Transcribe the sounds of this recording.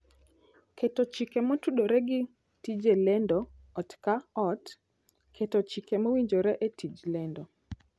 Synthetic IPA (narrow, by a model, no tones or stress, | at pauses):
kʰɛtɔt͡ʃikɛmɔtuɗoɾɛɡɪ | tid͡ʒelɛndɔ | ɔtkaɔt | kʰetɔt͡ʃikɛmɔwiɲd͡ʒoɾɛʔetid͡ʒlɛndɔ